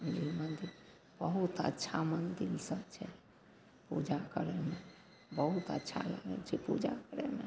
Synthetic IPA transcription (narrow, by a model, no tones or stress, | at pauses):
ənd̪ilmənd̪il | b̥əɦut̪ə̰tːʃʰamənd̪ilsət͡ʃʰɛ | pṵd͡ʒakəɾɛme | bəɦut̪ə̰tːʃʰa̰la̰ɡə̰lt͡ʃʰɛpud͡ʒakəɾɛme